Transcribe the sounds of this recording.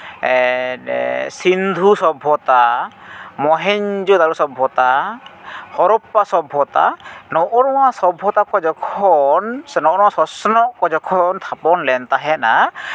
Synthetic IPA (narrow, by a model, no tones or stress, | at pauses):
sind̪ʱusɔbʱɔt̪a | mɔɦɛɲd͡ʒud̪aɾusɔbʱːɔt̪a | hɔɾɔpːasɔbʱɔt̪a̰nɔʔɔɾɔwasɔbʱɔt̪akɔd͡ʒɔkʰɔnsnɔʔɔɾɔ̃wasɔsnɔʔkɔd͡ʒɔkʰɔnt̪ʰapɔnlɛnt̪aɦɛna